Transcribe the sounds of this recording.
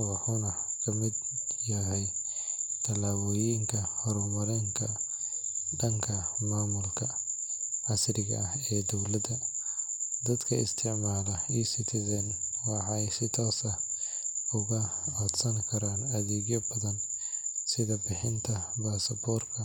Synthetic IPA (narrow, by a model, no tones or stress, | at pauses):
wɑħʊnɐkʰɐmɪd̪ | jɐɦɛj | t̪ʰɐlaːβɔːjiŋkʰɐhɔɾʊmɐɾɛːŋkʰɐ | ɖɐŋkʰɐmaːmʊlkʰɐ | ʕɑsrɪɣɐ̰ɐhɛːd̪ɔwlɐd̪ɐ | d̪ɐd̪kʰɐɪ̰st̪ʰɪʕmaːlɐiːsɪt̪ʰɪðɛːnwɑħɑɛjsɪt̪ʰɔːsɐ | ʊɣɐɐd̪sɐnkʰɐɾaːnɐðɛːɣjɐbɐðɐnsɪðɐbɪħɪnt̪ʰɐbaːsɐbɔːrkʰɐ